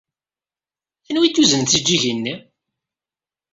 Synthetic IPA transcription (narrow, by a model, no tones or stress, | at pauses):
θənwit̪ːuzənt̪id͡ʒːiʝinːi